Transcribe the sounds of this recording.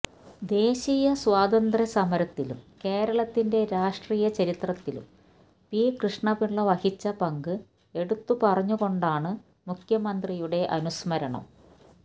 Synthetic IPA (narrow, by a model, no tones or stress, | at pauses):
d̪e̞ːɕijɐswaːd̪ɐnd̪rɐsɐmɐɾɐt̪ːilṵmke̞ːɾɐɭɐt̪ːinde̞ɾaːʂʈriːjɐt͡ɕɐɾit̪rɐt̪ːilṵm | pikrɨʂɳɐbiɭːɐʋɐhit͡ɕːɐpɐŋɡɨ | e̞ɽut̪ːupɐrɐɲːuɣo̞ɳɖaːɳɨ | mukʰjɐmɐnd̪rijuɽe̞ʔɐnusmɐɾɐɳɐ̰m